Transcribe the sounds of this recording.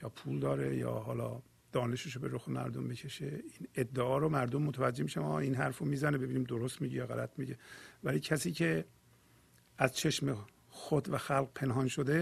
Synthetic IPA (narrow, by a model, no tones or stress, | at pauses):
jɒːpʰuld̪ɒːɾe̞̰jɒ̰ːɦɒːlɒ̰ː | d̪̥ɒːne̞ʃeʃobeɾoxemæ̰ɾd̪ombecʰe̞ʃeined̪ːeɒːɾomæɾd̪omːot̪ʰævæd͡ʒːehmiʃæmɒːinɦæɾfomiːzænebe̞biːniːmd̪oɾost̪miɟejɒɣælæt̪ʰmiɟevæliːcʰæsiːcʰe̞ | æzt͡ʃʰeʃme | xod̪væxælq̚pʰe̞nɦɒːnʃod̪e̞